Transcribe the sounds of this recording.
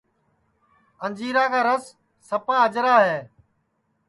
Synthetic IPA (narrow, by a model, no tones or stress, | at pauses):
ənd͡ʒiːɾaːkaːɾəsː | əpãːəd͡ʒɾaːɦeː